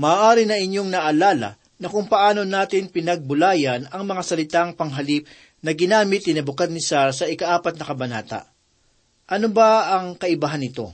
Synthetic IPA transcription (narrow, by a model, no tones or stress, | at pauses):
maːʔaːɾɪnɐŋɪɲjo̞ŋnɐʔːlaːlɐ̰ | nɐkʊŋpɐʔaːno̞naːt̪ɪnpɪnɐɡ̚bʊlaːjɐnɐŋmɐŋasɐlɪt̪aŋpɐŋɦɐlip̚ | nɐɡɪnaːmɪt̪̚nɪnɐbʊkad̪̚nɪsaɾsɐʔɪkaʔaːpɐt̪̚nɐkɐbɐna̰ːt̪ɐ̰ʔ | ʔɐnobaɐŋkɐʔɪbaɦanɪt̪o̞̰